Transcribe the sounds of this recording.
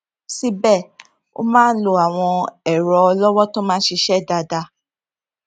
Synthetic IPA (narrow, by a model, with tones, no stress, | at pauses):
si˦bɛ˦˨ | o̰˦mãː˦n̩˦lo˨a˨w̃ɔ̃˧ɛ˨ɾɔ˨˦ɔ˧lɔ˦wɔ˦to˦mãː˦ʃe˧ʃɛ˦˨da˨˧da˧